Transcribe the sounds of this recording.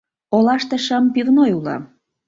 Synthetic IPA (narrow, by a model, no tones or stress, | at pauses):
olɑʃt̪ĕʃəmpivnojulɑ̰